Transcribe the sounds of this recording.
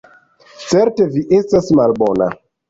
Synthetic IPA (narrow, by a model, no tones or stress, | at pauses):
t͡seɾteviʔestasmalbona̰